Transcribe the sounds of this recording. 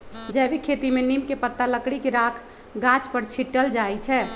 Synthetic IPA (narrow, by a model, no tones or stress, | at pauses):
d͡ʒɛbikʰet̪imenimkepət̪ːaləkɽikeɾakʰ | ɡãt͡ʃpəɾt͡ʃʰiʈːəld͡ʒajt͡ʃʰɛ